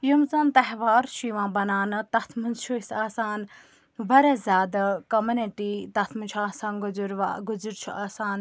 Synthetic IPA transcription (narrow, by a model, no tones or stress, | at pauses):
jumzant̪ɐɦʋaːɾʃiʋãːbɐnaːnɨt̪ɐt̪ʰmɨnt͡ʃʰuisaːsaːn | ʋɐɾɐzʲaːd̪ɐkɐmɐneʈit̪ɐt̪ʰmɨnt͡ʃʰuaːsãːnɡuzuɾʋa̰ːɡuzuɾt͡ʃʰuaːsaːn